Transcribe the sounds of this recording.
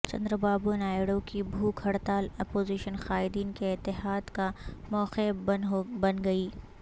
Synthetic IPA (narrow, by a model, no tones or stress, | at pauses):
t͡ʃɐ̰̃nd̪ɾəbaːbunaːjɽokibʱuːkʰɐɽt̪aːlɐpoːziːʃənxaːɪd̪iːnkeɪt̪ːɪɦaːd̪kamɔːxe | bɐnɡɐiː